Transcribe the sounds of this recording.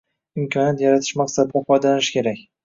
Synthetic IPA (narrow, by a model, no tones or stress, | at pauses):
ɪmkʲʰɒnjat̪jaɾat̪ʰɪ̥ʃmaksad̪ɪfɒjd̪alanɪʃkʲe̞ɾakʲ